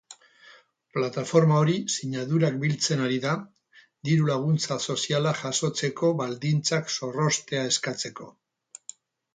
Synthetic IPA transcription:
plat̪afo̞ɾmao̞ɾisiɲaðuɾak̚bilt͡se̞naɾiða | d̪iɾulaɣ̞unt͡saso̞sialaʝaso̞t͡se̞ko̞βald̪int͡sakso̞ro̞st̪e̞ae̞skat͡se̞ko̞̰

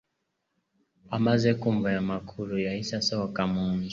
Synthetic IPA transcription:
amazɛkumvajamakʰulujaisasawakamuɲd͡ʒ

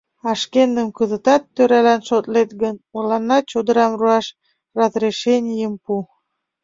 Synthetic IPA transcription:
ɑʃkend̪əmkəzət̪ɑt̪ːøɾælænʃot̪let̪ɡənulɑnːɑt͡ɕod̪əɾɑmruɑʃ | rɑzreʃenʲijəmpu

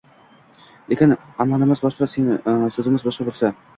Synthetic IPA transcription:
lekʲɪnamalɪmɪzbɒʃqɑsesɵzɪmɪzbɒʃqɑbolsa

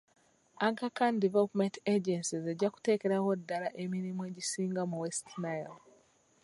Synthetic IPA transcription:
akakandivelupmenteɟensize̞ɟaku̥te̞ːke̞ɾaɣo̞dːalaʔemiɾimuwe̞ːɟisiːŋɡamuwestnajal

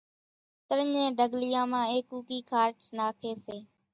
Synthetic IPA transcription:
t̪əɾəɲẽːɖəɡlɪjãːmãːeːkuːkiːkʰaːɾt͡ʃnaːkʰeːseː

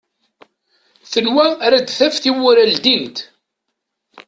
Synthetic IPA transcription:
θənwæɾæd̪θæfθiwʊɾæld̪int̪

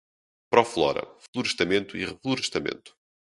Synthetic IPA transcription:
pɾɔflˠɔ̰ɾɐ̰flˠuɾɨʃt̪ɐmẽnt̪uiʁɨflˠuɾɨʃt̪ɐmḛ̃nt̪u̥

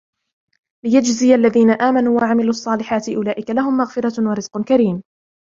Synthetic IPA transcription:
lɪjad͡ʒzɪjalːaðiːnaʔaːmanuːwaʕamɪluːɑsˤːɑːlɪħaːt̪ɪʔʊlaːʔɪkalaɦʊmːaɣfɪɾɑwɑɾɪz̥qʊkaɾiːm

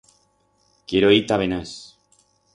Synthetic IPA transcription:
kjeɾoit̪aβenas

